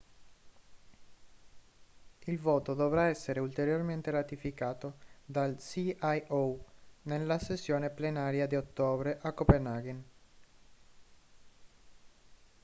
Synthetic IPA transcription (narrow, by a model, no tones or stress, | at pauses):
ilvoːt̪od̪ovɾaɛsːeɾeult̪eɾjorment̪eɾat̪ifikaːt̪od̪alsiajonelːasesːjoːneplenaːɾjad̪iot̪ːoːbɾeʔakːopenaɡen